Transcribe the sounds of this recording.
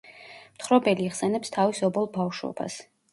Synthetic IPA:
mt̪ʰχɾɔbɛliiʁsɛnɛpst̪ʰavisɔbɔlˠbavʃɔ̰b̥a̰s

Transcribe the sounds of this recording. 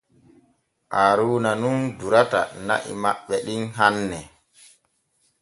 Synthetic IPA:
ʔaɾuːnanunduɾata̰na̰ʔḭma̰ɓːɛɗinɦanːɛ

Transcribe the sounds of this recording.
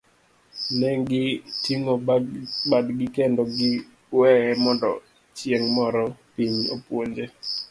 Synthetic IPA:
nɛŋɡɪtiŋobadɡɪkendɔɡɪ | wɛɛmɔndɔ̰ | t͡ʃjeŋmɔɾɔpiɲopwoɲd͡ʒe

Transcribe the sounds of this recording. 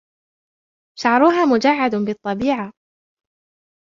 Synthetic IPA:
ʃaʕɾˤʊɦaːmʊd͡ʒaʕːad̪bɪt̪ˤːɑbiːʕa

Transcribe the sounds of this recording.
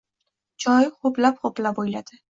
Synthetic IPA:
d͡ʒʰɒjχʊplapχoplapojlad̪ɪ

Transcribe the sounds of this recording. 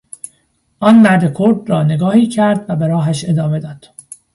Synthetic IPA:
ʔɒːnmæɾd̪e̞kʰoɾd̪rɒːne̞ɡɒːhiːcʰæɾd̪væbeɾɒːɦæʃe̞d̪ɒːme̞d̪ɒːd̪̥

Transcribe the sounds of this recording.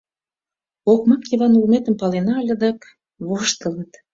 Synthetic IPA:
okmɑkjiβɑnulmet̪ə̆mpɑlenɑlʲə̆d̪ɑk | βoʃt̪ə̆lət̪

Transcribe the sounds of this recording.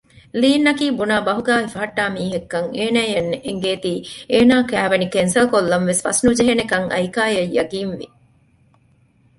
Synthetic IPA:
liːnːɐkiːbunaːbɐɦuɡaːɦifɐɦɐʈːaːmiːɦekːɐŋeːnæːjɐnːeʔeŋɡeːt̪iːeːnaːkæːʋɐnikensɐlkolːɐnʋesfɐ̰snud͡ʒeɦenekɐŋɐ̰jkaːjɐjːɐɡiːnʋḭ

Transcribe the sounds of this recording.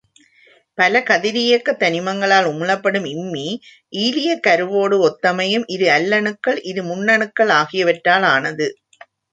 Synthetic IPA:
pɐlɐkɐðɪɾɪjɐkːɐt̪ːɐnɪmɐŋɡɐɭaːlʊmɯlɐpːɐɽɯmɪmːi | ʔiːlɪjɐkɐɾɯʋoːɽɯɔt̪ːɐmɐjɯmʔɪðɯɐlːɐɳɯkːɐɭʔɪðɯmʊnːɐɳɯkːɐɭaːɣɪjɐʋɐʈːaːlaːnɐðɯ

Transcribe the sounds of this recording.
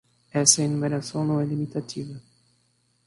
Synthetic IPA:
ɛsɐinumeɾasɐ̃w̃nɐ̃w̃ɛlimit̪at̪ʰivɐ

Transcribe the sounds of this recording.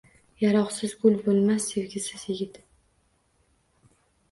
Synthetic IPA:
jaɾɒqsɪzɡʊlbolˠmasːevɡʲɪsɪzjɪɡʲɪt̪

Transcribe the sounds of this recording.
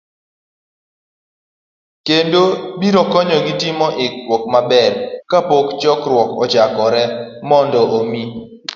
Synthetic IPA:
kendobiɾɔkɔɲɔɡitimɔʔɪkwɔk̚mabɛɾkapokt͡ʃɔkɾwɔkɔ̰d͡ʒakɔɾɛmɔndɔʔomi

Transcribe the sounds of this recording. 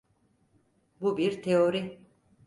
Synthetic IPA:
bubiɾt̪ʰeoɾi

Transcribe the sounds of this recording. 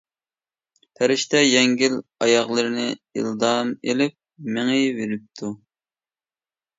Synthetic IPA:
pʰæɾɪʃt̪ʰɛjɛŋɡʲilɑjɑχlˠɨɾɨnɪḭld̪ɑmelɪp̚meŋɪveɾɪp̚t̪ʰu

